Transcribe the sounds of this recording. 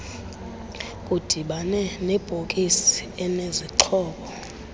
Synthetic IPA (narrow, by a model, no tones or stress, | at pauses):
kʼud̥ʱiɓanɛnɛb̥ʱokʼisi̥ɛneziǃʰɔːɓɔ